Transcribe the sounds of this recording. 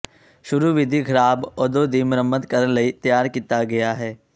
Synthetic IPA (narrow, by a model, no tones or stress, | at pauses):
ʃʊɾuːʋɪd̪ʱiːɡəɾaːbod̪oːd̪iːmʊɾəmːəd̪kəɾənləiːt̪jaːɾkiːt̪aːɡɪaːɦɛː